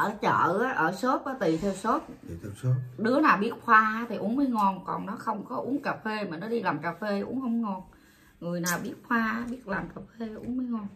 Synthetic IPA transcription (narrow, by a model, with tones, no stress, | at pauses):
ʔəː˧˩t͡ɕə̰ː˧˨ʔaː˨˦ʔəː˧˩so˦˥t̚ʔɔː˨˦t̪i˨˩t̪ʰe˧wso˦˥t̪̚ʰɗɨ˨˦ənaː˨˩wɓi˦˥ət̚xwaː˧a˨˦t̪ʰi˨˩ʔu˨˦ənməː˨˦jŋɔ˧˩nkɔ˨˩nnɔ˨˦xə˧wŋ͡mkɔ˨˦ʔu˨˦əŋkaː˨˩fe˧maː˨˩nɔ˨˦ɗi˧laː˨˩mkaː˨˩fe˧ʔṵ˨˦ənhə˧wŋ͡mŋɔ˧˨˩n | ŋɨ˨˩əjnaː˨˩wɓi˦˥ət̚xwaː˧˨˦ɓi˦˥ət̚laː˨˩mkaː˨˩fe˧ʔṵ˨˦ənməː˧˦jŋɔ˧˩n